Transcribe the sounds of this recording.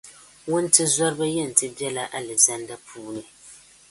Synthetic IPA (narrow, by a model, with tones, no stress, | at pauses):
wʊ˦n˦tɨ˦zɔ˦ɾɨ˦ba˦jɛ˦˨n̩˨tɨ˦bjɛ˦la˦ʔa˦lɨ˨za˦nda˦pʰuː˦nɨ˨